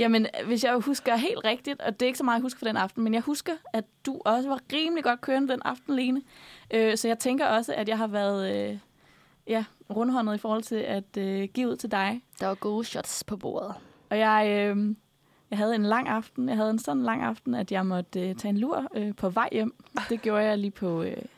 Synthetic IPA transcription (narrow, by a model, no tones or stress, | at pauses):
jæmənʋe̝sjɑ̈ɪhusɡ̥ɐɦe̝̰ːld̥ʁɛɡ̥̚d̥id̥ɒ̽d̥e̝ɐe̝ɡ̥sɒmɑ̈ːð̩ˠjhus̬ɡ̥ɐfɒ̽d̥enɑ̈fd̥n̩menjɑ̈ɪhusɡ̥ɐæd̥uʔɒ̽səʋɑ̈ʁiːməliɡ̥ɒ̽d̥̚kʰøːɐnəd̥enɑ̈fd̥n̩le̝ːnəʔøsɒ̽jɑ̈ɪt͡sʰeŋɡ̥ɐɒ̽səʔæd̥jɑ̈ɪɦɑ̈ʋæɐðˠø | jæʁɔ̽nəɦɒ̽nð̞̩ˠifɒːhɒ̽l̰t͡sʰe̝læd̥øɡ̥ḭːuð̰ˠt͡sʰed̥ɑ̈ɪd̥ɑ̈ʋɑ̈ɡ̥o̝ːɕɒd̥spʰɒ̽b̥o̰ːɐðˠ | ɒ̽jɑ̈ɪø | jɑ̈ɪɦæð̞ˠe̝nlɑ̈ŋ̰ɑ̈fd̥n̩jɑ̈ɪɦæð̞̩ˠensɒ̽nnlɑ̈ŋ̰ɑ̈fd̥n̩æd̥jɑ̈ɪmɒ̽d̥øt͡sʰɛ̰ːenluɐ̰øpʰɒ̽ʋɑ̈ɪ̰jem̰d̥e̝ɡ̥jo̝ːɐjɑ̈ɪliːpʰɒ̽ø